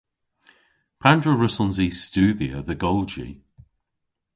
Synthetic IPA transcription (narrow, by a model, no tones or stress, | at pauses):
pʰandɹəɹəsənziːstʉːðiə̰ðəɡɔlˠd͡ʒḭ